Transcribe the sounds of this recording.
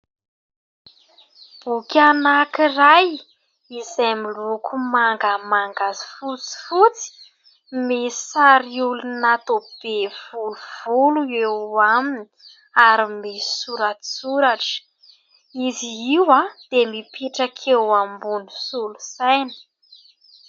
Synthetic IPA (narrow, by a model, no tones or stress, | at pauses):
b̥ukʲanakiraj | izajmilukʰumaŋɡəmaŋɡazi̥fut͡si̥fut͡si̥ | mesaɾiulunat̪ob̥ev̥uluv̥uluewaminii | aɾimesuɾat̪i̥suɾaʈ͡ʂə̥ | iziiwad̪̥emipiʈ͡ʂakʰewambunusulusajnə̥